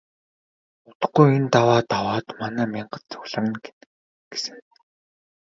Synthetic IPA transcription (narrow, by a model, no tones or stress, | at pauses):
ʊt̪ə̥̆χɡujent̪awaːt̪awaːt̪manæːmʲiɴɢə̆t̪t͡sʊ̥ɣʲɮə̆ɾ̆n | ɡ̥e̥sɘ̆ŋ